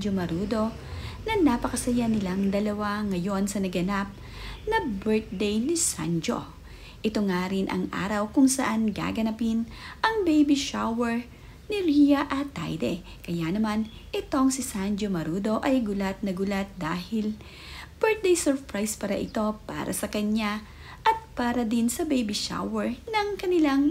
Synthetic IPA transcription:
d͡ʒomɐɾuːd̪o̞ | nɐnaːpɐkɐsɐjanɪlaŋd̪ɐlɐwaŋɐjo̞nsɐnɐɡɐnap̚ | nɐbɛɹt̪̚d̪ejnɪsa̰nd͡ʒo̰ | ʔɪt̪o̞ŋaːɾɪnʔɐ̰ŋʔa̰ːɾɐwkʊŋsɐʔanɡa̰ɡɐnɐpɪnʔɐŋbejbiʃawɛɹ | nɪɾijɐʔɐt̪ːa̰jd̪ɛ | kɐjanɐman | ʔɪt̪o̞ŋsɪsand͡ʒomɐɾuːd̪o̞ʔɐjɡʊlat̪̚nɐɡʊlat̪̚d̪aːhɪl | b̥ɛɹt̪̚d̪ejsɛɹpɹajspɐɾɐʔɪt̪o̞pa̰ːɾɐ̰sɐkɐɲa | ʔɐt̪̚paːɾɐd̪ɪnsɐbejbiʃa̰wɛɹnɐŋkɐnɪlaŋ

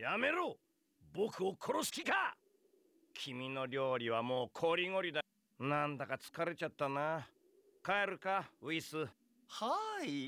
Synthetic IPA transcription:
jame̞ɾo | bo̞kɯ̟o̞kʰo̞ɾosɨ̥kʲika | kʲʰimʲino̞ɾʲo̞ːɾʲiβ̞amo̞ːkʰo̞ːɾʲiŋo̞ɾʲid̪a | nãnd̪akat͡sɨ̥kaɾe̞t͡ɕat̪ːanaː | kaeɾɯ̟kaɯ̟isɨ | hai

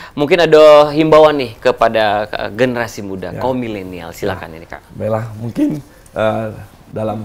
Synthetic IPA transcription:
muŋkɪnadaɦimbawanːɪhkəpadaə̰ɡənəɾasimuda̰kaomilenia̰lsila̰ka̰nḭnika̰ʔbalahmuŋkɪn | ə | dalam

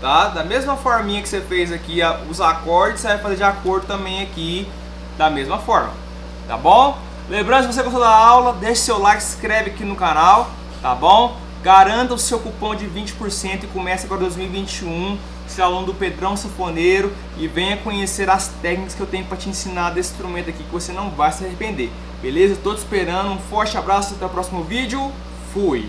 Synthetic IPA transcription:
t̪ad̪ɐmezmɐfɔɾmɐmĩɲɐkɪ̥sefejzɐkiɐʊzakɔɾd͡ʒɪsevajfazeɾd͡ʒɪakoɾd̪ʊt̪ɐ̃mbẽj̃ɐki | d̪ɐmezmɐfɔɾmɐ̰ | t̪a̰bõw̃ | lẽmbɾɐ̃nd̪ʊsɪvos̬eɡost̪od̪ɐawlɐd̪eʃʊ̥sewlajkskɾɛvɪakinʊkanaw | t̪abõw̃ | ɡaɾɐ̃nt̪ɐʊsewkupõw̃d͡ʒɪvĩnt͡ʃɪ̥poɾsẽnt̪ʊɪkomɛsɐaɡɔɾɐd̪ojzmiwivĩt͡ʃiũ | st̪alõd̪ʊped̪ɾɐ̃w̃sefõneɾʊ | ɪvẽj̃ɐkõɲeseɾɐst̪ɛknikɐskɪewt̪ẽɲʊpɾɐt͡ʃiẽsĩnad̪esɪst̪ɾumẽt̪akikɪvosenɐ̃w̃vajsɪepẽnd̪eɾ | belezɐewt̪ot͡ʃispeɾɐ̃nd̪ʊũfɔɾt͡ʃɪabɾasʊpɾɐt̪ewpɾɔsimʊvid͡ʒɪʊ | fuj

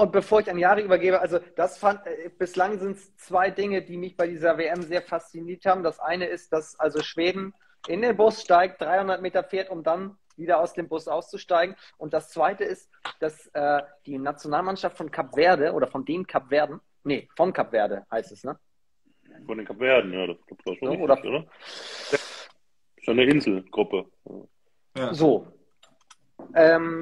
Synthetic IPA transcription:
ʔʊnt̚b̥əfoːɐɪçaɪnjaːʁəʔyːbɐɡeːbəʔalzod̥asfanɛb̥ɪslaŋzɪntst͡sv̥aɪdɪŋədiːmɪçb̥aɪdiːzɐveʔɛmzeːɐfast͡siniːɐthaːbm̩d̥asʔaɪnəɪst̚d̥asʔalzoʃv̥eːdn̩ | ʔɪndeːnbʊsʃtaɪk̚t̚d̥ʁaɪhʊndɐt̚meːtɐfeːɐtʊmdan | viːdɐaʊsd̥eːmbʊsʔaʊst͡suʃtaɪɡŋ̩ | ʔʊnt̚d̥ast͡sv̥aɪtəɪst | d̥asʔɛːd̥iːnat͡sjonaːlmanʃaftfɔnkʰapv̥eːɐdəʔo̰ːɾɐfɔndeːnkʰapv̥eːɐdn̩ | nəfɔnkʰapv̥eːɐdəhaɪstɛsnə | fɔndeːnkʰapv̥eːɐdn̩jaːdasɡ̥lapv̥aːʃoonɪoːdɐʔo̰ːɾɐ | ɪsjanəʔɪnzl̩ɡ̥ʁʊpə | a̰ː | zoː | ʔɛːm

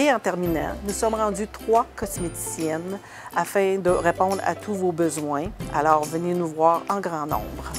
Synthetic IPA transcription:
eɑ̃t̪ɛʁminã̰nusɔmʁɑ̃d̪yt̪χwakɔsmet̪i̥sjɛn | afɛ̃d̪əʁepɔ̃d̪ʁa̰t̪ʰuvobəzwɛ̃alɔːʁvənenuvwaːʁɑ̃ɡʁɑ̃nɔ̰̃ːbʁ

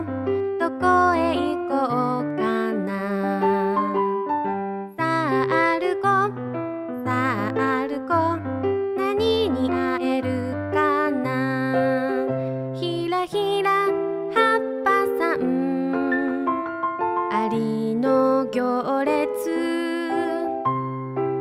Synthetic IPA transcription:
t̪okoeikokana | saʔaɾɯko | saʔaɾɯko | naɲiɲiʔaeɾɯ | kana | çi | ɾaçiɾa | hapːasaɯ̃ | aɾʲinoɡʲooɾet͡sɨ

